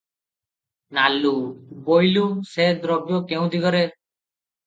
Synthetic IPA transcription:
nalubojlused̪ɾɔbjɔkeũd̪iɡɔɾe

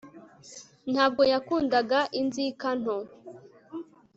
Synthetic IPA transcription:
n̥haːb̚ɡo̞jakuːndaɡaʔinzikan̥ho

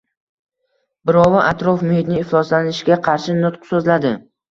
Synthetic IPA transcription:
bɪɾɒwaʔat̪ɾofmʊhɪt̪nɪːflˠɒslanɪʃɪɡʲaqʰɑɾʃɪnʊt̪qsɵzlad̪ɪ

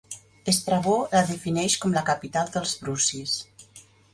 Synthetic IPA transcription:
est̪ɾaβolaðəfinɛʃkɔmləkapit̪alˠd̪əlˠzβɾusis

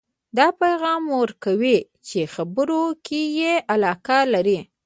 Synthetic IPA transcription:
d̪ɑpajɣɑmwəɾkawi | t͡ʃexabəɾokejeʔalɑkalaɾi

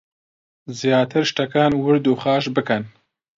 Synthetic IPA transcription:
zjaːt̪ʰɨɾʃt̪ɐkaːnwɨɾd̪uːχɑːʃbɨkɐn

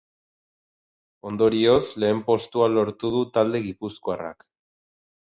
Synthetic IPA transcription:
o̞nd̪o̞ɾio̞sle̞ːmpo̞st̪ualo̞ɾt̪uð̞ut̪ald̪e̞ɣ̞ipuskoara̰k

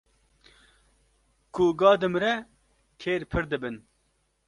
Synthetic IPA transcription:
kuɡɑːd̪ɨmɾɛ | kʰeːɾpʰɨɾd̪ɨbɨn

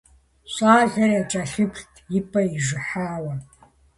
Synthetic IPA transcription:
ɕʷʼaːɮɐrɐt͡ʃʼɐɬɨptʰjɪpʰʼɐiʒɨħaːwɐ

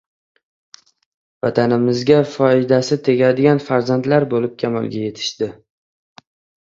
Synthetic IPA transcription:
vat̪ʰanɪmɪzɡʲafɒɪd̪asɪt̪ʰe̞ɡʲad̪ɪɡʲanfaɾzant̪laɾbolɪp̚kʲʰama̰lˠɡʲaje̞t̪ʰɪ̥ʃd̪ɪ

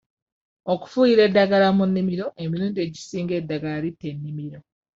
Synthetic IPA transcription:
oku̥fuːjiɾe̞dːaɡalamunːimiɾo̞ʔe̞miɾuːndie̞ɟisiːŋɡe̞dːaɡaaɾitenːimiɾo̞

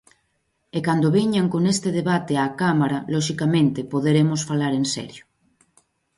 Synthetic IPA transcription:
ekand̪oβeɲaŋkonest̪eðeβ̞at̪eakamaɾalɔʃikamẽnt̪epoðeɾemosfalaɾensɛ̰ɾjo

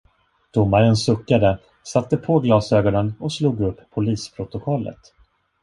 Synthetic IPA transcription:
d̪̥ʊmːaɾənsɵkːad̪ə | sat̪ːəpʰɔɡlɑːsøːɡɔnənɔsluːɡɵpːʰʊliːspʰɾʊt̪ʊkʰɔlːə̰t̪

